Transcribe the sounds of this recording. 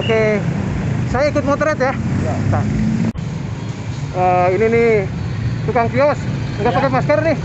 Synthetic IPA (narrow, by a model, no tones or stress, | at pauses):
kɛ | sajaikʊt̪̚mot̪ɾɛt̪jajat̪a | əinini | t̪ukaŋkiɔsŋɡapakemaskəɾnɪh